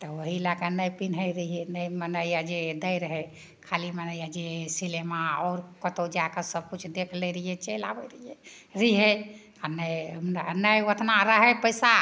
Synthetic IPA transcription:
t̪ɔoɦilakənəjpinɦəjɾiɦenəjmənəjjad͡ʒed̪əjɾəɦɛ | kʰalimənəjad͡ʒesilemaɔːɾkət̪od͡ʒakəsəb̚kut͡ʃʰd̪ekʰləɾəiet͡ʃelabəɾəije | ɾiɦe | anə | nəjʋət̪ʰnaɾəɦɛpəɪsa

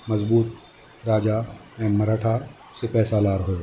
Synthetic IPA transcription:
mɐzbuːt̪̚ | ɾaːd͡ʒa | ɛ̃ːɐɾaːʈʰa | sepɛːsalaːɾɦoe

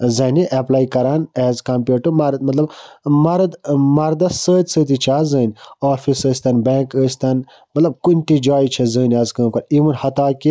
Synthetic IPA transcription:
zɐːniʔeplaːjkɐɾaːnɛːzkɐmpʲjuːʈumaɾɐt̪̚mɐt̪lɐbmɐɾd̪mɐɾd̪ɐsəːt̪ʲsəːt̪it͡ʃʰaːzəːnɔːfisəːsʲt̪ɐnbẽːkəːsʲt̪ɐn | mɐt̪lɐb̚kunʲʈ̪id͡ʒaːjit͡ʃʰɐzəːnʲɛːzkəːmkɐɾimunhɐt̪aːki

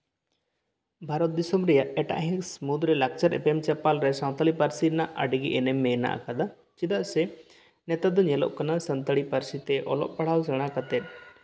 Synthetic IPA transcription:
bʱaɾɔt̪̚d̪isɔmɾɛjaʔɛʈa̰ʔɦĩksmud̪ɾɛlak̚t͡ʃaɾɛ̰pɛmt͡ʃɛpalɾɛsaw̃t̪alipaɾsiɾnaʔɐ̰ɖiɡiʔɛnɛmːɛna̰ʔkad̪a | t͡ʃid̪aʔsɛ | nɛt̪ad̪ɔɲɛlɔ̰ʔkanasɐnt̪əɽipɐɾsit̪ɛʔɔlɔ̰ʔ̚pɐɽ̤awsɛɽ̃akat̪ɛt̪̚

